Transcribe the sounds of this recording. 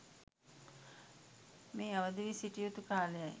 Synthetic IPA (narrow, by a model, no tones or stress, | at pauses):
meːaʋəd̪iʋisiʈijut̪ukaːlejaj